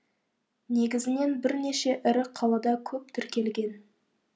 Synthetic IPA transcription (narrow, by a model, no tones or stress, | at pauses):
ne̞ɡʲɪzɪne̞nbɪɾne̞ʃe̞ʔɪɾɪqʰɑlˠɑd̪ɑkʲʰɵp̚t̪ʰʏɾkʲe̞lɡʲe̞n